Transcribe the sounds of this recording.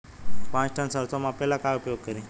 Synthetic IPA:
pãt͡ʃʈʰənsəɾsomãpɛlãkajupjoɡ̚kəɾĩ

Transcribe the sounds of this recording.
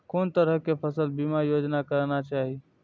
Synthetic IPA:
kont̪əɾəɦkepʰəsəlbimajod͡ʒnakəɾnat͡ʃaɦi

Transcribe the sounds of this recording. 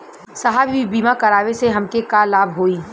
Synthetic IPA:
sɐɦaːbibiːmakɐɾaːʋeseɦɐmkekaːlaːbɦoːiː

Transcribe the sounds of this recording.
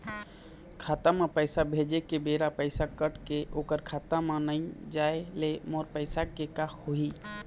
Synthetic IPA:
kʰaːt̪amẽpəɪsabʱed͡ʒekebeɾapəɪsakəʈkeʔoːkəɾkʰaːt̪amãnəĩd͡ʒaelemoɾpəɪsakekahoi

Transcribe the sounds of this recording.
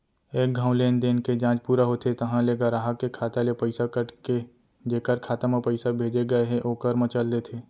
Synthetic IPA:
eːk̚ɡʱãːʊ̃leːnd̪eːnked͡ʒãːt͡ʃpuːɾaɦot̪ʰet̪ɐɦãleːɡaɾaːɦakekʰaːt̪alepəɪsakəʈke | d͡ʒeːkəɾkʰaːt̪amapəɪsabʱeːd͡ʒeɡɐeɦeʔoːkəɾmət͡ʃəld̪et̪ʰeː

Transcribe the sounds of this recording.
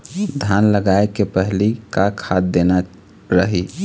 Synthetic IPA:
d̪ʱanləɡaekepəɦlikakʰad̪d̪ena | ɾəɦi

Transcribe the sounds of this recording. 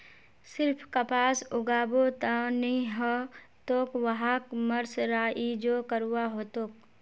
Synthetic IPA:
sɪɾpʰkəpaːsʊɡaːbot̪anĩɦɔ | t̪oːkʋəɦaːkməɾsɾaːʔid͡ʒoːkəɾuwaɦoːt̪oːk̚

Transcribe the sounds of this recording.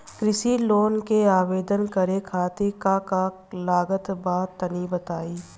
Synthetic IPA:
kɾɪsiloːnkeaːʋeːd̪ənkɐɾekʰaːt̪ekaka | laːɡət̪baːt̪ənibət̪aːiː

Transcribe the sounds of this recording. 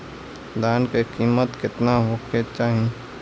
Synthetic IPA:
d̪aːnkekiːmət̪kɪt̪naɦoːket͡ʃaːɦĩ

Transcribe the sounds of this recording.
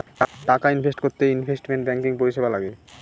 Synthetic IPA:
ʈakainfesʈkoɾt̪einfesʈmenʈbɛŋkiŋpoɾiʃebalaɡe

